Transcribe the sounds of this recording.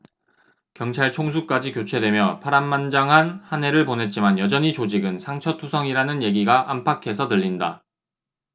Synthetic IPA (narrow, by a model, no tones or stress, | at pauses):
kjʌŋt͡ɕʰaɭt͡ɕʰoŋs̬ʰuk̚k͈ad͡ʑikjot͡ɕʰwe̞dwe̞mjʌpʰaɾanːand͡ʑaŋɦanhane̞ɾɯɭponɦe̞t̚t͡ɕ͈imanjʌd͡ʑʌɲit͡ɕod͡ʑiɡɯnsʰaŋt͡ɕʰʌtʰusʰʌŋiɾanɯnje̞ɡiɡaʔampʰakʰe̞sʰʌdɯʎːinda̰